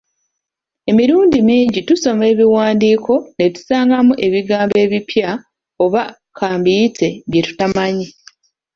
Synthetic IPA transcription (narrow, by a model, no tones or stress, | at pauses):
e̞miɾuːndimiːɲɟituso̞me̞ːβiwaːndiːkʰo̞ne̞tu̥saːŋɡamuʔe̞βiɡaːmbe̞ːβipʰja | o̞βa | kʰaːmbijite̞βje̞tu̥tamaɲi